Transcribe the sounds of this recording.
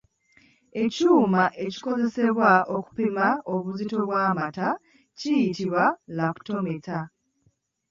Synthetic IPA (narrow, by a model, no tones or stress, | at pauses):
e̞cuːmaʔeci̥ko̞ze̞se̞βwaʔo̞ku̥pimao̞βuzito̞βwaːmata | cijitiβwalaku̥to̞meta